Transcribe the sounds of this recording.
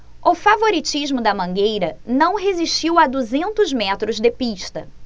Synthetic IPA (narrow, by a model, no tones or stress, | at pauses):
ʊfavoɾit͡ʃiʒmʊd̪ɐmɐ̃ŋɡejɾɐnɐ̃w̃ɦeziʃt͡ʃiwad̪uzẽnt̪ʊzmɛt̪ɾʊzd̪ɪpiʃt̪ɐ̰